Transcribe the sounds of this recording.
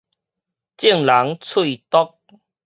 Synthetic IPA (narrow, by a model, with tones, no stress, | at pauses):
t͡ɕi˥˨ŋla˨˦ŋt͡sʰu˥˧˨t̪ɔ˦k̚